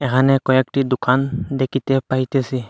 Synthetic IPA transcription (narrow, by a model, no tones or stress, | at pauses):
ɛkʰanɛkɔɛk̚tidʊkandekʰitɛpaɦjtɛsi